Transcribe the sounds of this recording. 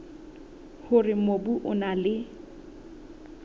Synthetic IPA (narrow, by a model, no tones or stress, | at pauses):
hʊrɪmobuʔʊnalɪ